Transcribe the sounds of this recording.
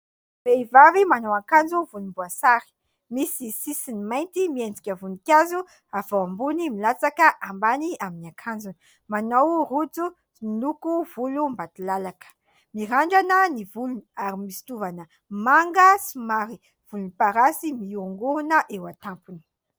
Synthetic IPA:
veivavimanowakand͡zuvulumbuasaɾi̥ | misisisinimajnt̪imiend͡zikʲəvunikʲazu | av̥owambunimilat͡sakəʔambaniaminiakʰand͡zuni | manawrud͡zu | ilukuvulumbat̪ilalakə̥ | miɦaɳɖ͡ʐanənivuluniaɾimisi̥t̪uvanə | maŋɡəsimaɾi | v̥ulunipaɾasimiuŋɡuɾunəʔewat̪ampuni̥

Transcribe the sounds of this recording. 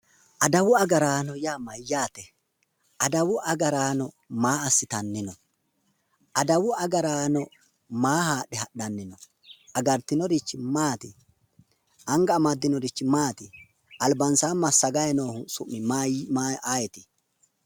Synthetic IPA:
ʔɐd̪ɐwʊɐɡɐɾaːnɔjaːmɐjːaːt̪ɛ | ʔɐd̪ɐwʊʔɐɡɐɾaːnɔ | maːɐsːɪt̪ɐnːɪnɔ | ʔɐd̪ɐwʊɐɡɐɾaːnɔ | maːhaːɗɛhɐɗːɐnːɪnɔ | ɐɡɐɾt̪ɪnɔd̪ɪt͡ʃːɪmaːt̪ɪ | ʔɐŋɡɐːmɐd̪ːɪnɔd̪ɪt͡ʃːɪmaːt̪ɪ | ɐlbɐnsaːmɐsːɐɡɐjɛnoːhʊsʊmːɪmamaaːjɛt̪ɪ̥

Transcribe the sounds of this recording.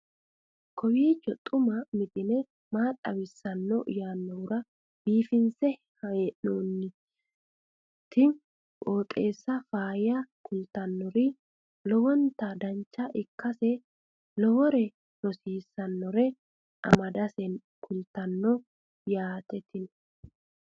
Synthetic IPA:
kɔwiːt͡ʃːɔt̪ʼːʊmɐmɪt̪ɪnɛ | maːtʼɐ̰wɪsːɐnːɔʔjaːnːɔwʊɾɐ | biːfɪnsɛ | hɐeːʔoːnːɪ | t̪ʰːɪn | kʼoːt̪ʼe̞ːsːɐfaːjjakʰʊlt̪ɐnːɔɾɪ | lɔwɔnt̪ːɐd̪ɐnt͡ʃːɐʔɪkːɐsɛ | lɔwɔɾɛ | nɔsiːsːɐnːɔɾɛ | ʔɐ̰mɐd̪ɐsɛn | kʰʊlt̪ɐnːɔ | jaːt̪ɛt̪ɪn

